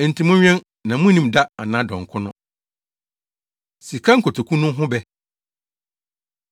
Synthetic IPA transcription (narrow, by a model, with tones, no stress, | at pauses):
n̩˨tʰĩ˨mʊ̃˦ɲᶣ˦ɛ̃˦n | nã˨mʊ̃˦nĩ˦mda˦a˨nã˦dɔ̃˨ŋ̩˨kʰʊ˦nʊ̃˦ | si˨kʰa˦ŋ̩˨kʰo˨tʰo˨kʰũ˦nʊ̃˦ɦʊ̃˦bɛ˦